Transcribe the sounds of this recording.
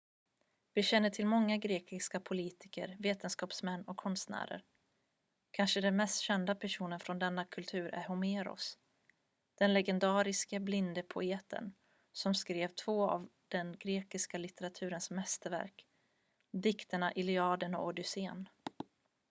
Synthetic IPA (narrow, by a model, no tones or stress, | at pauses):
vɪɕɛnːəʈʰɪlmɔŋːaɡɾeːkɪskapʰʊliːt̪ʰɪkə̰ɾveːt̪ənskɑːpsmɛnːɔkʰːɔnst̪næ̰ːɾə̰ɾ | kʰanʂəd̪ɛnmɛst̪ɕɛnd̪apʰæʂuːnənfɾɔnd̪ɛnːakʰɵlt̪ʰʉ̟ːɾʔæ̰ɾhʊmeːɾɔ̰s | d̪̥ɛnlɛɡɛnd̪ɑːɾɪskəblɪnd̪əpʰʊeːt̪ʰə̰n | sɔmskɾeːvt̪ʰvoːa̰vd̪̥ɛnɡɾeːkɪskalɪt̪ɛɾat̪ʰʉ̟ːɾənsmɛst̪əɾvæ̰ɾk | d̪ɪkt̪əɳaʔɪlɪɑːd̪ənɔ̰ɔɖʏseːn